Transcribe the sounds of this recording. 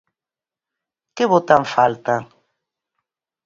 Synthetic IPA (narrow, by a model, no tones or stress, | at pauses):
keβot̪aɱfalt̪a